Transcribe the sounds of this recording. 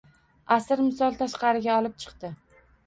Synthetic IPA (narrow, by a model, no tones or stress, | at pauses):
asɪɾmɪsɒlˠt̪ʰaʃqɑɾɪɡʲaɒlˠɪp̚t͡ʃʰɨ̥qt̪ɪ